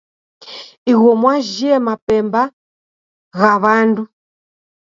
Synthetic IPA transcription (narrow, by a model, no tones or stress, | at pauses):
iɣɔmwaʒɛmapɛmba | ɣaβandu